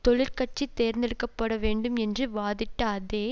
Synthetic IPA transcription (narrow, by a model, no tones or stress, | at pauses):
t̪ɔɭɪɾkɐʈ̚t͡ʃit̪eːɾnd̪ɪɽɯkːɐpːɐɽɐʋeːɳɖɯmɛndrɯʋaːðɪʈːaːðeː